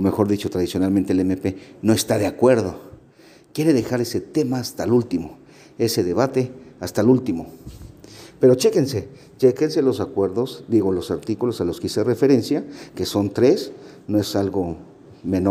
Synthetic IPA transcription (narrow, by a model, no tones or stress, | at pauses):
omexo̞ɾðit͡ʃot̪ɾaðisjonalmẽnt̪elemepenoest̪aðeakweɾðo | kje̞ɾeðexaɾeset̪emaːst̪alult̪imo | eseðeβat̪east̪alult̪imo | peɾot͡ʃekense | t͡ʃekenselosakweɾðosd̪iɣolosaɾt̪ikulosaloskiserefeɾensjakesont̪ɾes | noesalɣo | meno